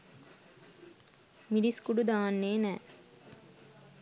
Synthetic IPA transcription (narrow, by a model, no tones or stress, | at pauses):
miɖiskuɖud̪aːnːeːnæː